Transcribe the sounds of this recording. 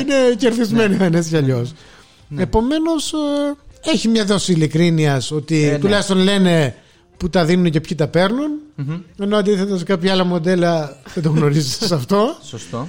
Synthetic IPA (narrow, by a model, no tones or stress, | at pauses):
ine̞ceɾðizme̞niθɐnescɐʎo̞s | e̞po̞me̞no̞s | e̞çimɲɐðo̞siːlikɾiniɐso̞t̪it̪ulɐçist̪o̞nle̞ne̞ | put̪ɐðinunce̞pçit̪ɐpe̞ɾnune̞noɐnd̪iθed̪ɐskɐpçɐɐlɐmo̞d̪e̞lɐðet̪o̞ɣno̞ɾizet̪esɐft̪o̞sost̪o